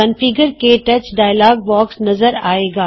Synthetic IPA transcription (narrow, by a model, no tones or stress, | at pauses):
ɐnfiɡəɾkeʈɐt͡ʃɖaːjlaːɡ̚bɔːksnɐzəɾaːeːɡaː